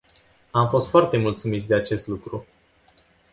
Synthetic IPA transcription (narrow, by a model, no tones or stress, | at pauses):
amfo̞st̪foart̪e̞mult̪sumit̪s̬ʲd̪e̞at͡ʃe̞st̪lukɾu